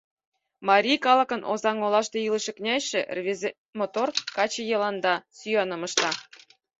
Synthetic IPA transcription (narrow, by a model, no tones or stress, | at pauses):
mɑɾʲikɑlɤ̆kɤ̆nʔozɑŋolɑʃt̪eilɤ̆ʃĕknʲæʃĕʔrβʲezʲe | mot̪orkɑt͡ɕĕjɤ̆lɑnd̪ɑsyjɑnɤ̆mɤ̆ʃt̪ɑ